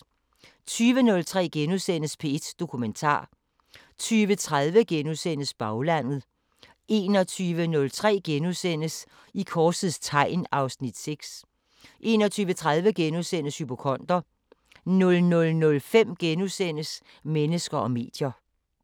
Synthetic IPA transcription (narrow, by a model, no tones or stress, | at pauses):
t͡sʰyːʋənɔ̽lt͡sʰʁɛ̰ːɡ̥enusen̰əspʰe̝ed̥d̥o̝kʰument͡sʰɑ̰̈ː | t͡sʰyːʋət͡sʰʁaðˠʋəɡ̥enusen̰əsb̥ɑ̈ʊlæn̰ð̞̩ˠ | e̝̰ːnɒ̽t͡sʰyːʋənɔ̽lt͡sʰʁɛ̰ːɡ̥enusen̰əs | ikʰɒ̥ːsið̩ˠst͡sʰɑ̈ɪ̰nɑ̈ʊsnid̥seɡ̥s | ʔe̝̰ːnɒt͡sʰyːʋət͡sʰʁað̞ˠʋəɡ̥enuðˠsen̰əshypo̝kʰɒ̽n̰d̥ɐ | nɔ̽lnɔ̽lnɔ̽lfem̰ɡ̥enusen̰əs | menəsɡ̥ɐɒ̽me̝̰ːd̥jɐ